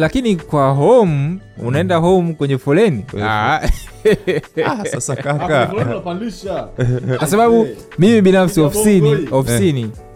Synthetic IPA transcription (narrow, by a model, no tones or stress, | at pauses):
lakinikwaɦɔmu | ṵnaɛndaɦɔmukwɛɲɛfɔlɛnia | sasakaka | kwasaɓaɓu | mimiɓinafsiɔfsiniɔfisini